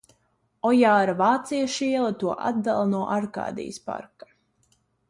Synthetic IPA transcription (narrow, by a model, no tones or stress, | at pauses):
ɔjaːɾavaːt̪sijaʃiɛlˠat̪uɔʔa̰d̪d̪alˠnuɔʔaɾka̰ːd̪ḭj̰spa̰ɾkḁ